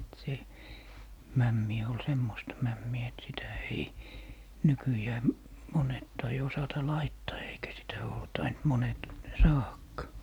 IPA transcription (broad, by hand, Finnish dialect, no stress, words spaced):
se mæmːi ol semːostɑ mæmːiæ et sitæ ei nykyjæː monet tɑi osɑtɑ lɑitːɑː eikæ sitæ oː tɑint monet sɑːhɑkːɑː